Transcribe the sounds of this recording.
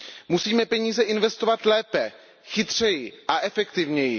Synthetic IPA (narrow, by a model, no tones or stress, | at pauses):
musiːmɛpɛɲiːzɛʔɪnvɛst̪o̞vat̪lɛːpɛ | xɪt̪r̝̥ɛjɪʔaʔɛfɛkt̪ɪvɲɛjɪ